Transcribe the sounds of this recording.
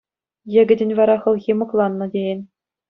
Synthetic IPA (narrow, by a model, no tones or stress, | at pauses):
jɘ̆ɡʲɘ̆dʲɘ̆nʲʋɑɾɑχɤ̆lˠɣʲimɤ̆klˠɑnːɤ̆dʲejɘnʲ